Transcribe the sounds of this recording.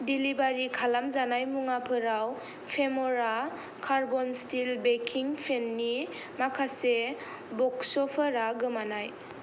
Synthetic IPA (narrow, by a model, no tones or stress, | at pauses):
dilibaɾikʰalamzanajmuŋapʰɯɾaw | pʰemɔɾa | kʰaɾbɔnstilbekʰiŋpʰenːi | makʰase | bɔksɔpʰaɾaɡɯmanaj